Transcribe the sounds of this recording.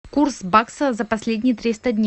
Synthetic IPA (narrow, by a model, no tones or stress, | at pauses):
kursbaksəzəpɐsʲlʲed̪ʲnʲɪjət̪ɾʲist̪ədʲnʲ